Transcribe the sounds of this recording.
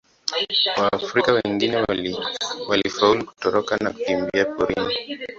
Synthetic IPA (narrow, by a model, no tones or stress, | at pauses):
wafɾikawɛŋɡinɛ | walifauluku̥tɔɾɔkanaku̥kimbiapɔɾḭn